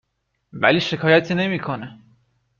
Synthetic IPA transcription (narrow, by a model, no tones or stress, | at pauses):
væ̰liːʃe̞kʰɒːjæt̪ʰiːne̞miːkʰone